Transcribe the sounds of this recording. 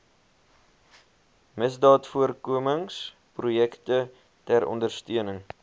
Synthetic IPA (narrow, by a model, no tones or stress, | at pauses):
məsdɑːtfuərkuəməŋs | prujɛktə | tæɾʔɔ̰ndərstyənəŋ